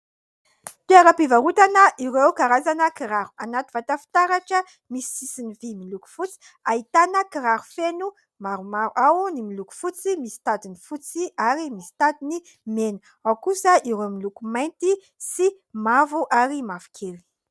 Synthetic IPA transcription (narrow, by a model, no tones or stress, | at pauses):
pjaɾəpivaɾut̪anəʔiɾewkaɾazanəkiɾaɾu̥anat̪i̥vat̪afi̥t̪aɾaʈ͡ʂə | misi̥sisinivimiluku̥fut͡si̥ | aɦit̪anəkiɾaɾufenu | maɾumaɾuʔawnimiluku̥fut͡simisi̥t̪ad̪inifut͡siaɾimisi̥t̪ad̪ini | menə | awkusəiɾewmilukumajnt̪i | si | mavuʔaɾimavu̥kʰeli̥